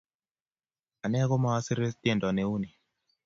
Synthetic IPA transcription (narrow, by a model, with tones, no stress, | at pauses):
a˨nɛ˦ɡo˦ma˨a˦sɪ˦ɾe˦t̪e˦ndɔ˨ne˨u˦ni˨